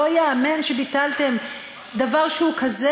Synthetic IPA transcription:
ojaːmenʃebitalt̪e̞m | d̪avaʁʃehukaze

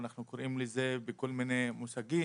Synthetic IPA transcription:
naχnukoɾʔimlezebeko̞lminemusaɡi

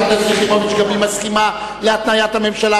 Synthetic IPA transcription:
atazʁiχimamiʃɡavimaskima | leat̪najat̪hame̞mʃala

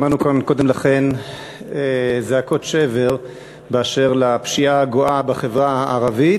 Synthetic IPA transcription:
manukanko̞d̪emlaχe̞n | ezeako̞t̪ʃeve̞ʁ | beaʃe̞ʁlapʃiaɡoʔabaχevʁaaʔaʁavit̪

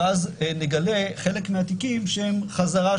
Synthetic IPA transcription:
azneɡale̞χe̞lekmeat̪ikimʃhemχazaʁa

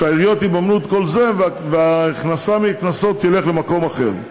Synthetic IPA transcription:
aiʁijot̪ibamnut̪ko̞lze̞vaveaχnasamiknaso̞t̪jele̞χle̞mako̞maχe̞ʁ

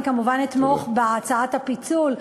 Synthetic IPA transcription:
kamuvanit̪moχbeat͡saat̪hapit͡sul

